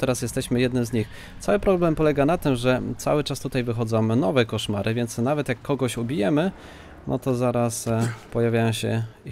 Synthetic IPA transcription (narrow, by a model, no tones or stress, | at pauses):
t̪ɛɾasjɛst̪ɛɕmɘjɛd̪nɘmzɲix | t̪sawɘpɾɔblɛmpɔlɛɡanat̪ɘmʐɛt̪sa̰wɘt͡ʂast̪ut̪ajvɘxɔd̪zɔ̃wnɔvɛkɔʂma̰ɾʔɘvʲjɛnt̪snavɛt̪jakːɔɡɔɕubʲijɛmɘ | nʔɔ̰t̪ɔzaɾaspɔjavʲjajɔ̃w̃ɕɛ